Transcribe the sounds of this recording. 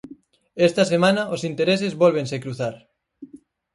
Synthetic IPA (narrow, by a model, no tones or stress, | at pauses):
est̪asemãnaʔosint̪eɾesezβolβ̞ensekɾuθaɾ